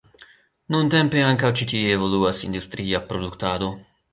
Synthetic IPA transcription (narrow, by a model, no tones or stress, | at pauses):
nunt̪empeaŋkawt͡ʃit̪ieːvo̞luasḭnd̪ust̪ɾiapɾod̪ukt̪ad̪o̞